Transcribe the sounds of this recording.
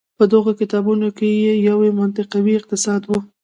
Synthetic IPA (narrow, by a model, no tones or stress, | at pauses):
pəd̪əɣokɪt̪ɑbunokejejawemant̪ɪqawiɪq̚t̪ɪsɑd̪wu